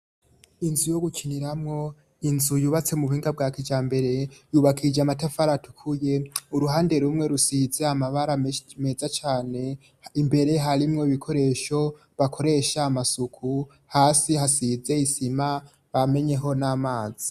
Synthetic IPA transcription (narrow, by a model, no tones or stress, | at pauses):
inzujo̞ɡukʰiniɾamŋo̞ | inzujuːβat͡se̞muuhiːŋɡab̚ɡakid͡ʒaːmbe̞ɾe̞juβakʰid͡ʒeamatafaɾatu̥kʰuje̞uɾuɦaːnde̞ɾumŋe̞ɾusize̞amaβaɾame̞zat͡ʃaːne̞ | imbe̞ɾe̞ɦaɾimŋo̞iβikʰo̞ɾe̞ːʃo̞ | βakʰo̞ɾe̞ʃaːmasukʰu | haːsihasize̞isima | βame̞ɲe̞ɦo̞naːmaːzi̥